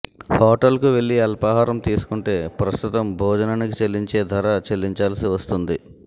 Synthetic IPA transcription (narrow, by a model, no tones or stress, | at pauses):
hɔːʈɐlkuʋe̞ɭːiɐlpɐɦaːɾɐmt̪iːsu̥kuɳʈe̞ːpɾɐst̪ut̪ɐmbʱɔːd͡ʒɐnaːnikit͡ʃelːiɲt͡ʃe̞ːd̪ʱɐɾɐt͡ʃelːiɲt͡ʃaːlɐsiʋɐst̪und̪i